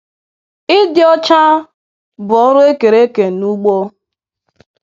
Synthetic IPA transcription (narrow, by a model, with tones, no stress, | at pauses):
ɪ˦dɪ˦ɔ˦t͡ʃa˦ | bʊ˨ɔ˦ɾʊ˦e˦ke˨ɾe˦ke˨nu˦ɡ͡bo˦